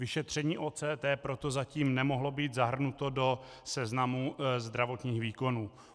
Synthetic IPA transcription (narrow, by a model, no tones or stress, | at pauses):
vɪʃɛt̪r̝̥ɛɲiːʔoːt͡sɛːt̪ɛːpɾo̞t̪o̞zaciːmnɛmo̞ɦlo̞biːt̪zaɦr̩nut̪o̞do̞ | sɛznamuzd̪ɾavo̞t̪ɲiːxviːko̞nuː